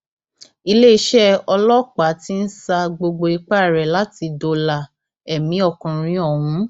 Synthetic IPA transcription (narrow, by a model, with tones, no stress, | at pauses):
i˧le˦i˦ʃɛ˦ɔ˧lɔ˦k͡pa˨˦ti˦n̩˦sa˧ɡ͡bo˧ɡ͡bo˧i˧k͡pa˦˨ɾɛ˨la˨˦ti˧do˧la˨ | ɛ˨mĩ˨˦ɔ˦˨kũ˧ɾ̃ĩ˨˦ɔ˨ɦũ˨˦